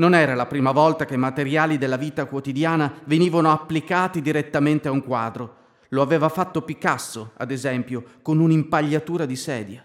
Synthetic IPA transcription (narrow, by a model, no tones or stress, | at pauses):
nonɛːɾalapɾiːmavɔlt̪akemat̪eɾjaːlid̪elːaviːt̪akwot̪id̪jaːnaveniːvanoapːlikaːt̪id̪iɾet̪ːament̪eauŋkwaːd̪ɾo | loaveːvafat̪ːopikasːoa̰d̪ezɛmpjokonunimpaʎːat̪uːɾad̪isɛːd̪ja